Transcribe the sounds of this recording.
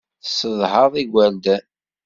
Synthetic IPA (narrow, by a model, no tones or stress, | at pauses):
θsəðˤhəðˤiɡʷæld̪æ